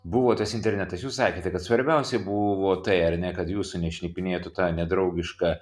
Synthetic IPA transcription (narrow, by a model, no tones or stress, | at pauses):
buʋoːt̪ɐsɪnʲt̪ʲɛɾʲnʲɛt̪ɐsjuːssɑːkʲeːt̪ʲɛkɐt̪sʋɐɾʲbʲɛʊsʲɛbuʋoːt̪ɐɪɐɾʲnʲɛkɐt̪juːsʊnʲɛʃʲnʲiːpʲɪnʲeːjt̪ʊt̪ɑːnʲɛd̪ɾɐʊɡʲɪʃkɑː